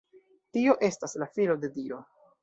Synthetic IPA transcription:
tio̞ʔe̞staslafilo̞de̞dio̞

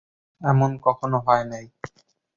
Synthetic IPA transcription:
ɛmɔnkɔkʰɔnoɦɔjnaj

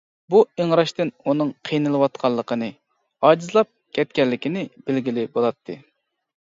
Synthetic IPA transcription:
bueŋɾɑʃt̪ɨnunɨŋqʰijnɨlˠɨwɑt̪̚qʰɑlˠːəqʰənɨ | ɑːd͡ʒizlˠɑp̚kʲɛt̪̚kʲɛlːɪkʲinɪbelɡʲilɪbolˠɑt̪ʰːɨ

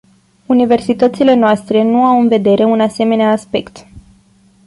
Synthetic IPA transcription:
unive̞rsit̪ət̪sile̞noast̪ɾe̞nuawɨnve̞d̪e̞ɾʔe̞unase̞me̞neaːspe̞kt̪

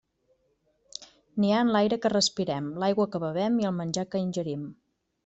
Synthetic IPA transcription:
niaənlajɾəkərəspiɾɛmlajɣwəkəβəβ̞ɛmiəlˠmənʲd͡ʒakəinʲʒəɾim

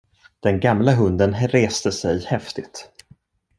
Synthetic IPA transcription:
d̪̥ɛnɡamlaɦɵnd̪ənɾeːst̪əsɛjhɛft̪ɪt̪

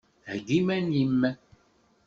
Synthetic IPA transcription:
ɛɡimɛnimːɛ

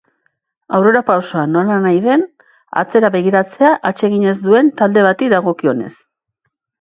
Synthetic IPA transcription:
awre̞ɾapawsoano̞lanajðe̞n | a̰t͡se̞ɾaβe̞ɣiɾat͡se̞aʔat͡ʃe̞ɣiɲe̞zd̪ue̞nt̪ald̪e̞βat̪ikd̪aɣ̞o̞kio̞ne̞̰s

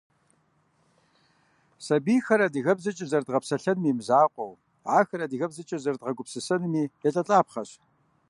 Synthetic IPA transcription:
sɐbiːxɐɾɐdɨɣɐbzɐt͡ʃʼɪzɐrdʁɐpsɐɬɐnmiːmzaːqʷʼɔw | ʕaːxɐɾɐdɨɣɐbzɐt͡ʃʼɪzɐrdʁɐɡʷʊpsɨsɐnmiːjɛɬʼɐɬʼaːpχɐɕ

